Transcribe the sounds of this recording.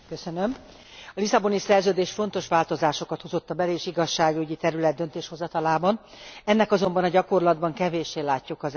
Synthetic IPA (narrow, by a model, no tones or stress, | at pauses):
køsønøm | ɒlisɒbo̞nisɛrzøːd̪eːʃfo̞n̪t̪o̞ʃʋaːlt̪o̞zaːʃo̞kɒt̪hozo̞t̪ːɒbɛleːʃiɡɒʃːaːɡyɟit̪ɛɾylɛd̪̚d̪ønt̪eːʃho̞zɒt̪ɒlaːbɒnɛnːɛkɒzo̞mbɒnɒɟɒko̞rlɒd̪bɒŋkɛveːʃeːlaːcːukɒz